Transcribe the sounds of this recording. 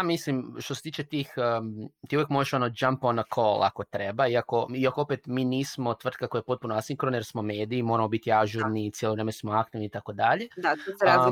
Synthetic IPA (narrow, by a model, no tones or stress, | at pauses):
amislimʃt̪oset̪iːt͡ʃe̞t̪ixt̪iːuʋjekmoʒeʃo̞nod͡ʒamponokʰolˠa̰ko̞t̪ɾe̞baiako̞iakoopet̪miːniːsmo̞t̪ʋr̩t̪kako̞jepo̞t̪̚punoasiŋkɾonje̞ɾsmo̞me̞ːd̪iːmo̞ɾamobit̪iaʒuɾnit̪sjeloʋɾemensmoakt̪iʋniːt̪ako̞d̪aʎed̪at̪oɾa